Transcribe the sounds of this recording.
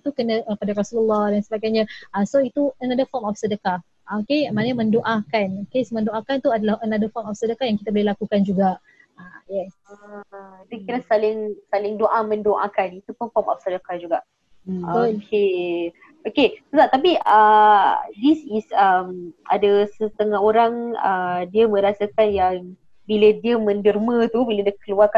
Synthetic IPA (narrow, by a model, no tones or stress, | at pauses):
t̪ukənə̃ʔəpadaɾasuləlːɔhdansəbaɡajɲaasoit̪uənadəfɔmɔfsədəka | okemãnəmə̃ndoʔakanokesmə̃ndoʔakant̪uadalahʔənadəfɔrmɔfsədəkajaŋkit̪abolelakukand͡ʒuɡaʔ | ajɛsadakiɾasalɪŋsalɪŋdoʔamə̃ndoʔakanit̪upunfɔma̰fsadakad͡ʒuɡaʔ | bkulkʰe | okesəsat̪ap̬iə | disisəma̰dasət̪əŋaɦoɾaŋə̰diəmə̃ɾasakanjaŋ | bilədiəmə̃ndərmə̃t̪ubilədiəkəluarka